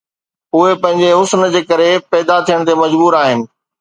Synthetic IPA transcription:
ʊɦepɐ̃ɦɪ̃ɲ̆d͡ʑeɦʊsnd͡ʑeːkɐɾepɛːd̪at̪ʰijəɽ̃t̪ʰemɐd͡ʑbuːɾaːɦɪnɪ̆

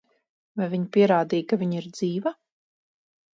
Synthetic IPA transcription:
vajviɲpʲiɛɾaːd̪ijkaviɲiɾd̪ziːva

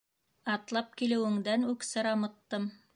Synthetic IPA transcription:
ɑt̪lˠɑp̚kilɘ̆wɘ̆ŋd̪ænʉksɤɾɑmɤ̆t̪ːɤm

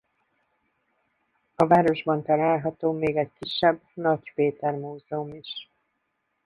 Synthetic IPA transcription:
ɒvaːɾo̞ʒbɒnt̪ɒlaːlɦɒt̪oːmeːɡɛckiʃːɛbnɒɟpeːt̪ɛrmuːzɛumiʃ

